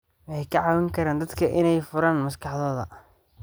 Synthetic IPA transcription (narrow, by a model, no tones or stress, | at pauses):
wɑħɛjkʰɐʕɑːwɪŋkʰɐɾaːnd̪ɐd̪kʰɐʔɪnɛjfʊɾaːnmɐskʰɑħðɔːðɐ